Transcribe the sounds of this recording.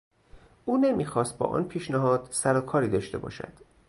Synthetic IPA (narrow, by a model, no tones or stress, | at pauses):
ʔuːnemiːxɒːst̪̚bɒ̰ːʔɒ̰ːnpʰiːʃnæɦɒːd̪̥sæɾɒkʰɒːɾiːd̪ɒːʃt̪e̞̰bɒ̰ːʃæ̰d̪̥